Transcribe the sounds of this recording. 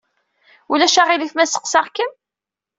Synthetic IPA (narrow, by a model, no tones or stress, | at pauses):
ulæʃaʁiliθmæsə̥qsɑʁkən